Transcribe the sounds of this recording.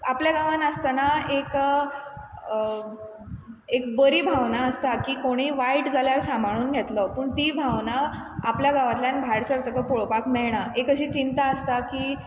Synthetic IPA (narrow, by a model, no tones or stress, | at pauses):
apljaɡaʋanəst̪anaek | ekbəɾiːbʱaʋnaəst̪akiːkoɽ̃iːʋaiʈd͡zʱaljaɾsambʱaɽ̃uːnɡʱet̪lɔpəːɳt̪iːbʱaʋnaapljaɡaʋat̪ljanbʱaɽsəɾt̪əkəpoɭpakmɛɭɳ̃aʔekəɕiːt͡ɕint̪aəst̪akiː